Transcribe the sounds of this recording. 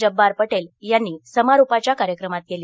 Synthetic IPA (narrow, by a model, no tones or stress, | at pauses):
d͡ʑəbːaɾpəʈeljanːiːsəmaɾupat͡ɕjakaɾjəkɾəmat̪̚keli